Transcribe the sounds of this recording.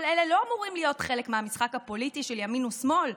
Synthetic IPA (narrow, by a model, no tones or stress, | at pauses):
lele̞lo̞amuʁimlijo̞tχe̞lekmeamisχakhapo̞litiʃeljaminusmo̞l